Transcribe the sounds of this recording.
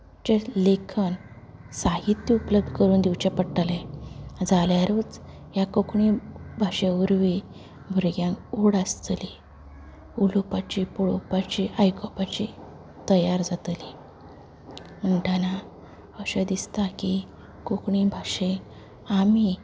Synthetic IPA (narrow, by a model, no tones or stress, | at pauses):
t͡ɕelekʰən | saɦit̪jəupləb̚d̪ʱəkəɾuːnd̪iwt͡ɕepəɽʈaled͡zaljaɾuːt͡s | ɦjakokɳibʱaʂeuɾʋi | bʱuɾɡjãŋkoɽast̪li | ulopat͡ɕipuɽɭopat͡ɕiʔajkʰɔpat͡ɕi | t̪əjaɾd͡zat̪li | m̤əɳʈʰana | əɕəd̪ist̪aki | kokɳibʱaʂe | ami